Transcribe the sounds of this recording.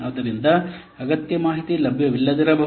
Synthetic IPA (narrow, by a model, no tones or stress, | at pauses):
aːd̪ɐɾind̪ɐ | ɐɡɐt̪jɐmaːɦit̪ilɐbʱjɐʋilːɐd̪iɾɐbɐɦ